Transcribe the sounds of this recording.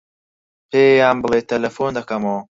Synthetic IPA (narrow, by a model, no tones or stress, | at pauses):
pʰeːjaːmbɨlˠeːt̪ʰːɐlɐfoːnd̪ɐkɐmo